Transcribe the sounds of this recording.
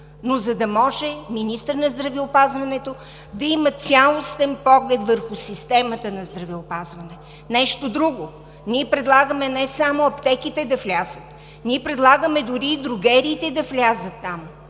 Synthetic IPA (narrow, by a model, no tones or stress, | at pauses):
nozɐd̪ɐmɔʒɛminist̪əɾnɐzd̪ɾɐvɛopazvɐnɛt̪o | d̪ɐimət̪sʲjalˠost̪ɛnpɔɡlɛt̪vəɾxʊsist̪ɛmət̪ənɐzd̪ɾɐvɛopazvɐnɛ | nɛʃt̪od̪ɾuɡo | niɛpɾɛd̪lˠaɡəmɛnɛsamoɐpt̪ɛkit̪ɛd̪ɐflʲazət̪ | niɛpɾɛd̪lˠaɡəmɛd̪ʊɾiːd̪ɾʊɡɛɾiːt̪ɛd̪ɐflʲazət̪ːam